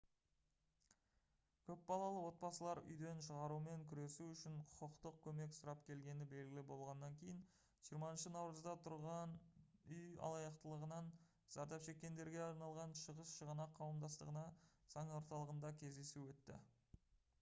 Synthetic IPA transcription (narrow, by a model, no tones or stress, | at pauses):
kʲʰɵpbɑlˠɑlˠəwo̞t̪̚bɑsəlˠɑɾʏ̰jd̪e̞nʃəʁɑɾume̞ŋkʲʰʏɾe̞suʏʃɪɴqʰʊ̥qəqt̪əq̚kʲʰɵme̞ksʊɾɑp̚kʲʰe̞lɡʲe̞nɪbe̞lɡʲɪlɪbo̞lˠʁɑnːɑŋkʲʰe̞jɪn | ʒ̥ijəɾmɑənʃənɑwɾəzd̪ɑt̪ʰʊɾʁɑnʏjɑ̰lˠɑjɑqt̪əlˠəʁənɑn | z̥ɑɾd̪ɑpʃe̞kʲːe̞nd̪e̞ɾɡʲe̞ɑɾnɑlˠʁɑnʃəʁəsʃəʁənɑqʰːɑwəmd̪ɑst̪əʁənɑz̥ɑŋo̞ɾt̪ɑlˠəʁənd̪ɑkʲʰe̞zd̪e̞suwɵt̪ːɪ̰